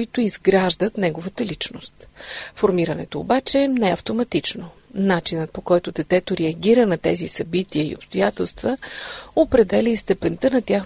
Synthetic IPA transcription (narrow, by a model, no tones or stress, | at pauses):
it̪ʊizɡɾaʒd̪ət̪nɛɡovət̪əlit͡ʃnost̪foɾmiɾənɛ̰t̪o̰ːbat͡ʃɛnɛɐft̪omɐt̪it͡ʃnonat͡ʃinət̪̚pokɔjt̪ʊd̪ɛt̪ɛt̪oɾɛɐɡʲiɾənɐt̪ɛ̰zisɐbit̪iəḭo̰pst̪ojat̪ɛlˠst̪vəopɾɛd̪ɛlʲiist̪ɛpɛnt̪ənɐt̪ʲjax